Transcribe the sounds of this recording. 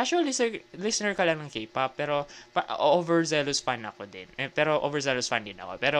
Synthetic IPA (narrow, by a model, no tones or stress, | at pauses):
ʔakʃuɐlːisɛlɪsɪnɛɹkɐlanɐŋkejpapːɛːɾopɐʔʔovɛɹzɛlosfanɐ̰kod̪ɪ̰nɛpɛːɾoʔo̰vɛɹzɛlosfand̪ɪnɐ̰ko̞̰pɛːɾo